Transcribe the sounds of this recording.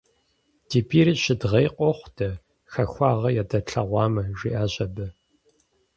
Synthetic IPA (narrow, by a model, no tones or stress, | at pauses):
d̥iːpʰiːɾɨɕɪdʁɐjqʷʼɔχʷtʰɐ | xɐxʷɑːʁɐjɛdɐɬʰɐʁʷɑːmɐʒʷḭʔaːʑɐbɨ